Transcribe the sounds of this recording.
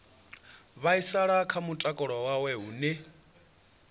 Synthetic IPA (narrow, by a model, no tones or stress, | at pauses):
βaisaɺakʰamutʼakʼɔɺɔwawɛɦunɪ